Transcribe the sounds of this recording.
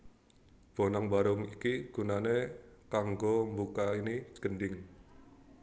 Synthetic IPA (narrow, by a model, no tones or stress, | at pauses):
b̥o̤naŋbaɾʊŋikiɡ̥ṳnanekaŋɡombukainiɡ̥ənɖɪŋ